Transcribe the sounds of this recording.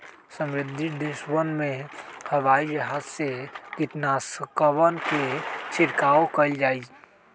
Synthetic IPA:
sə̃mɾɪd̪ʱːid̪ːɪʃwənmẽhəʋaːid͡ʒɐɦaːzsekɪt̪nasəkəʋənket͡ʃʰɪɾkaːokəld͡ʒaːi

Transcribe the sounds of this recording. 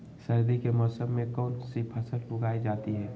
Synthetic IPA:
sɐɾd̪ikemɔːsəmːẽkɔːnsipʰɐsəɾlʊɡaːid͡ʒaːt̪iɦɛː

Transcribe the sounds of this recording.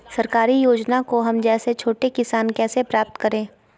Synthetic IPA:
sɐɾkaːɾijoːd͡ʒnakoɦɐmd͡ʒɛːset͡ʃʰoːʈekɪsaːnkɛːsepɾaːp̚t̪kɐɾẽː

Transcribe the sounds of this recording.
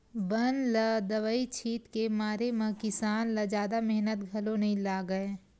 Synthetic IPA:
bɐnlɐd̪ɐʋəit͡ʃʰiːt̪kemaːɾemɐ̃kɪsaːnlɐd͡ʒaːd̪amɛɦnət̪ɡʱɐlonɐɦĩlaːɡəẽː

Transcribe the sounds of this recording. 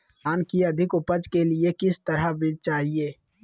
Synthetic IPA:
aːnkiɐd̪ʱɪkʊpəd͡ʒkelɪekɪst̪ɐɾabʱit͡ʃaːɦieː

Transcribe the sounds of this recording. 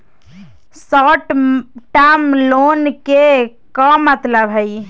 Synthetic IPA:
sɔʈʈamlonke | kɔmət̪ləbʱəj

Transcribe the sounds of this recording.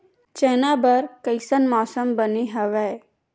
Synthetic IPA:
t͡ʃɛːnabəɾkəɪsənmɔːsəmbəniɦɐʋɛː

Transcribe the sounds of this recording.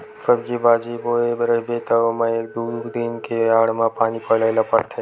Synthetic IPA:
səbd͡ʒibaːd͡ʒiboːebɾəbet̪əmãekd̪uːɾud̪inkeaːɽmãpaːnipəɽaɪlapəɾt̪ʰe

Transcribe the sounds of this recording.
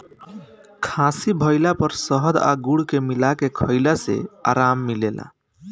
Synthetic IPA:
kʰãsibʱəɪlapəɾsəɦəd̪a̰ɡuɽkemilakekʰəɪlasḛa̰ɾamːilela̰

